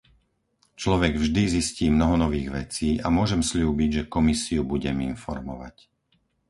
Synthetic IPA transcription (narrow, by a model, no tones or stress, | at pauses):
t͡ʃlɔʋɛɡvʒd̪izisciːmnɔɦɔnɔʋiːɣʋɛ̰t͡siːʔamʊɔʒɛmsʎuːbiɟʒɛkɔmisiubuɟɛminfɔ̰ɾmɔ̰ʋa̰c